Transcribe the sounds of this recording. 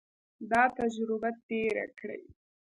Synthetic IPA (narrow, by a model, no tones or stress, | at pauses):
d̪ɑt̪ad͡ʒɾɪbat̪eɾa̰kɽə̰j